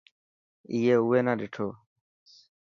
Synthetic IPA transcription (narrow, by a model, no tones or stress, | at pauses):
iːeːʊːʋeːnãːɗɪʈʰoː